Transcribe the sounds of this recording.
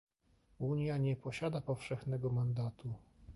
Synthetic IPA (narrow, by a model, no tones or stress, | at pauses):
uɲjaɲɛpɔɕad̪apɔfʂɛxnɛɡɔmand̪at̪u